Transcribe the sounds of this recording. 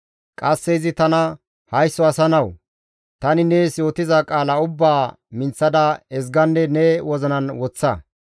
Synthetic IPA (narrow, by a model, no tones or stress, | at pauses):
kʼɐsːɛɪzɪt̪ɐnɐ | hɐjsːɔɐsɐnɐw | t̪ɐnɪnɛsjo̞ːt̪ɪzɐkʼaːlɐʊbːaː | mɪnt͡sːɐd̪ɐɛzɡɐnːɛnɛwɔzɔnɐnwɔt͡sːɐ